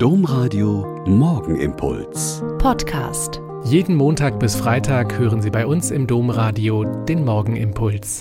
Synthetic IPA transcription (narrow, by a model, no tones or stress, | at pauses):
d̥oːmʁaːdio | mɔɐɡŋ̩ʔɪ̰mpʰʊ̰lspʰɔtkʰa̰ːst | jeːdn̩moːntaːkb̥ɪsfʁ̥aɪtʰaːkhøːʁənziːbaɪʔʊnsɪmdoːmʁaːdiod̥eːnmɔɐɡŋ̩ʔɪmpʰʊls